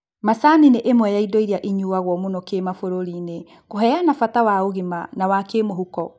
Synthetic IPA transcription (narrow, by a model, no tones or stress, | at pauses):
masanineʔemwɛjaidɔiɾiaʔiɲuwaɣwɔmunokemafoɾoɾine | koɦɛjanafatawaoɣimanawakemoɦukɔ